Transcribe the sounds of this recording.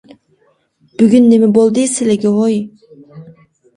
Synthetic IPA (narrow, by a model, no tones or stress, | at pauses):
b̥yɡʲynːemɛbolˠd̪ɨsɪlɪɡʲiɦoj